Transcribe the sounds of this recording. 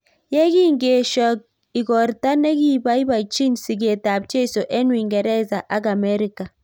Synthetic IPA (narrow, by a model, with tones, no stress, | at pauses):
jɛ˦ɡi˦ŋɡe˨ʃɔ˨k̚ | i˨ɡɔ˨ɾta˦ne˦ɡi˦ba˦i˦ba˨t͡ʃi˦nsi˨ɡe˨ta˨b̚t͡ʃe˦˨so˨ʔe˦nwi˨ŋɡɛ˨ɾɛ˦za˨ʔa˦ɡa˨mɛ˦ɾi˦ka˨